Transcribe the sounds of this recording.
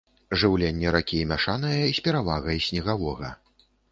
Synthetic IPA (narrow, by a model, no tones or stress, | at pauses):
ʐɨwlʲenʲːɛɾakʲimʲaʂanɨjɐisʲpʲɛɾavaɣɐjisʲnʲɛɣavɔɣɐ